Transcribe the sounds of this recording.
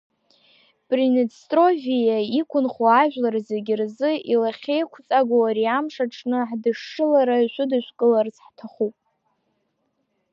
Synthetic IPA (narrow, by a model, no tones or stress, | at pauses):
pʼrinestʼro̞fijaikʷʰʊnχuaʒᶣʷlarazeɡʲɪrzɨilaχʲe̞jkʷʰt͡sʼaɡʷowaɾiamʂaʈ͡ʂʼʰnɨħdɨʂɨlaɾaiʃʷʊdɨʃʷkʼɨlarzħtʰaχupʼ